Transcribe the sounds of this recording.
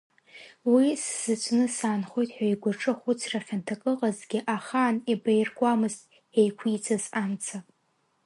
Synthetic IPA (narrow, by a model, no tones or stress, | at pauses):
wisz̥ɨt͡ʃʷʰnɨsaːnχo̞jtʼħʷᶣaiɡʷaʈ͡ʂʼɨχʷʊt͡sʰraχʲantʰakʼɨqʼazɡʲɪʔaχaːnibajrkʷʼamɨztʼ | ejkʷʰit͡sʰazamt͡sʰa